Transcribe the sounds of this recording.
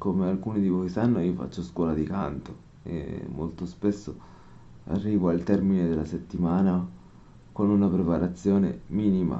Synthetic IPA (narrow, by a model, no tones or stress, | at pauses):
komealkuːnid̪ivɔjsanːoiːofa̰t͡ʃːoskwɔːlad̪ika̰nt̪o | ḛmːo̰lt̪ospesːo | a̰rːiːvoalt̪ɛrmined̪elːaset̪ːimaːna | konunapɾepaɾat̪sːjoːnḛmiːnima̰